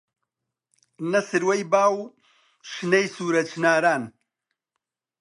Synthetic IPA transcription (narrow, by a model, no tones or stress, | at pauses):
nɐsɨɾwɐjbaːw | ʃnɐjsuːɾɐt͡ʃnaːɾaːn